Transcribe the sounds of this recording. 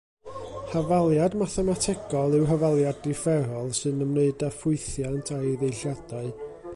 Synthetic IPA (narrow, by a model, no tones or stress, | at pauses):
havalˠjadmaθanatʰɛɡɔlˠɪwɦəvalˠjadɪfɛɾɔlˠsɨnəmneɨdafʊɨθjantʰaðejɬjad̥aɨ